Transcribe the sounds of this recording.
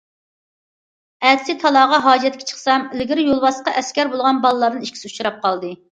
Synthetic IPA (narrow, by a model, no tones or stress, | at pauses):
ɛt̪sɪt̪ʰɑlˠɑːʁɑɦɑːd͡ʒɛt̪kʲʰɛ̥t͡ʃʰə̥χsɑmɪlɪɡʲɪɾɪjolˠbɑsqɑʔɛskʲɛɾbolˠʁɑnbɑlˠɨlːˠɑɾd̪ɨniʃkʲʰi̥sɪut͡ʃʰuɾɑp̚qʰɑlˠd̪ɨ